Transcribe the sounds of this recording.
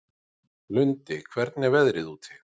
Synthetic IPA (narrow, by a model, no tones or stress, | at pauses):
lʏnt̪ɪkʰvɛɾt̪nɛɾvɛðɾɪðuːt̪ʰɪ